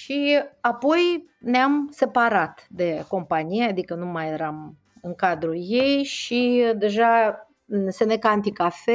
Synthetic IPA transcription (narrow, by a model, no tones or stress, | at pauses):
ʃiapo̞j | neamse̞paɾat̪d̪e̞ko̞mpaniead̪ikənumajeɾam | ɨŋkad̪ɾuje̞jʃid̪e̞ʒa | se̞nekaant̪ikafe